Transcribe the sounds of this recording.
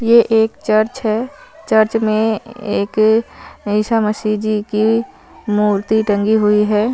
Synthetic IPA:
jeʔeːkt͡ʃəɾt͡ʃɦɛːt͡ʃɐɾt͡ʃmẽeːk | ɪʃaməsid͡ʒiki | muːɾt̪iʈə̃ŋɡiɦʊiɦɛː

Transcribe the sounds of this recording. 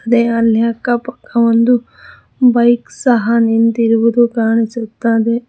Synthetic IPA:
ɐd̪eɐljakːɐpɐ̥kːɐʋond̪u | bɐjksɐɦɐnint̪iɾuʋud̪ukaːɳisut̪ːaːd̪e

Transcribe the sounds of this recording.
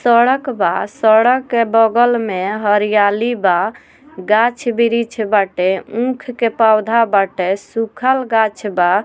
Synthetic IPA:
səɽəkbasəɽəkːebəɡəlmeɦəɾijaliba | ɡat͡ʃʰbiɾit͡ʃʰɛbaʈeũkʰkepawd̪ʱabaʈesukʰəlɡat͡ʃʰba

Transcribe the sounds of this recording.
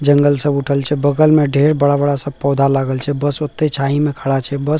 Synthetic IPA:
d͡ʒəŋɡəlsəbuʈʰəlt͡ʃʰɛbəɡəlmeɖʱeɾbəɽabəɽasəb̚pɔd̪ʱalaɡəlt͡ʃʰɛbəsot̪ːet͡ʃʰaɦimekʰəɽat͡ʃʰɛbəs

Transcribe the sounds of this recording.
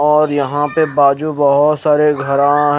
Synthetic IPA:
ɔːɾjɐɦãpebaːd͡ʒubɐɦʊt̪saːɾeɡʱɐɾãɦ

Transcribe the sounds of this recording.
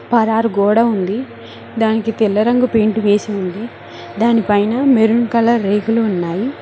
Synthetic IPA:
pɐɾaːɾɡɔːɽaund̪i | d̪aːnikit̪ilːɐɾɐŋɡupeːɳʈuʋeːsiund̪i | d̪aːnipɐjnɐmeɾunkɐlɐːeːkuluːnːaːji

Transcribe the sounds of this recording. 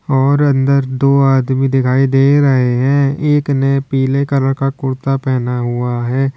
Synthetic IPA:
ɔːɾɐ̃nd̪əɾd̪oːaːd̪mid̪ɪkʰaːid̪eːɾɐɦeɦɛ̃ːeːknepiːlekɐɾəɭkakʊɾt̪apɛːnaɦʊaɦɛː

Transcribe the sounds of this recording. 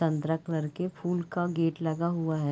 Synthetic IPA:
ɐ̃nt̪ɾəkləɾkepʰuːlkaɡeːʈlɐɡaɦʊaɦɛ

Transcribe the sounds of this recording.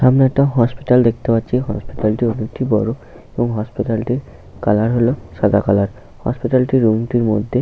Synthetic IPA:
ʃamneɛk̚ʈaɦɔspiʈald̪ek̚ʰt̪epat̪ːɕʰiɦɔ̰spiʈalʈionikʈʰibɔ̰ɾo | eboŋɦɔspiʈalʈiɾ | kalaɾɦoloʃad̪akalaɾ | hɔ̰spiʈalʈiɾːumʈiɾmod̪ʱːe

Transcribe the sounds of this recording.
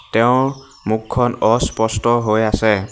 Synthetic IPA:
tɛʊ̃ | mukʰːɔnɔspɔstɔɦojasɛ

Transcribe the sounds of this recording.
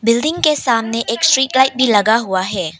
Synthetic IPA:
bildiŋkesamneʔekstɾit̚lajt̚bilɐɡaɦuwaɦe

